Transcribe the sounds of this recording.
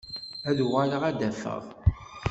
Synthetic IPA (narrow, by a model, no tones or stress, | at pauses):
æðʁaləʁæd̪æfə̰ʁˤ